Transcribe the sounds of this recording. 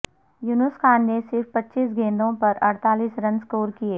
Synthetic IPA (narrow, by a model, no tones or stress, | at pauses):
junʊskʰaːnːesɪɾfpɐtːʃiːsɡẽːnd̪õpɐɾɐɽt̪aːliːsɾɐ̃nskoːɾkieː